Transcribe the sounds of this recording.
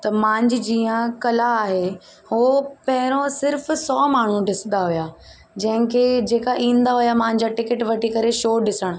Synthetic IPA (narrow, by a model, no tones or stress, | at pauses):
t̪ɐmãːɲd͡ʑɪd͡ʑiːə̃kɐlaːɦe | ɦopɐɦɪɾõsɪɾfsɔːmaːɳ̤ũɖɪsnd̪aɦʊuja | d͡ʑɐ̃ɦɪ̃kʰed͡ʑeːkaʔĩːnd̪aɦʊjamãːɪ̃ɲd͡ʑaʈɪkɪʈʋɐʈikɐɾeʃoːɗɪsəɽ̃ʊ̆